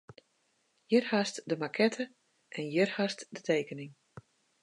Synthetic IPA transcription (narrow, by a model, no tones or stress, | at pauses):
jɪrhastdəmakʰɛtʰə | ʔɛnjɪrhastdətʰejkənɪŋ